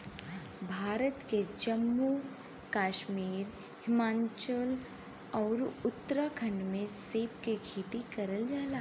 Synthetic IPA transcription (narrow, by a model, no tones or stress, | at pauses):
bʱaːɾət̪ked͡ʒəmːu | kaːʃmiːɾ | hɪmãːɲt͡ʃəl | ɔːɾʊt̪ːɾakʰə̃ɳɖmẽseːpkekʰiːt̪ikɐɾəld͡ʒaːlaː